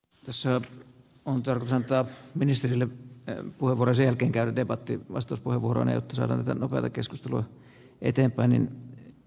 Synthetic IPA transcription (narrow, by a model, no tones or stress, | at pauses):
t̪æsːæ | ont̪ɑrkot̪usɑnt̪ɑˑminist̪erilːepuheʋuorojɑsejælkeːŋkæyædepɑt̪ːiʋɑ̰st̪ɑˑuspuheʋuoro̰nɑ̰jo̰t̪ːɑsɑ̰ːdɑ̰ːnt̪æt̪ænopeɑ̰t̪ɑkeskust̪eluɑ | ʔḛt̪empˑæinḭn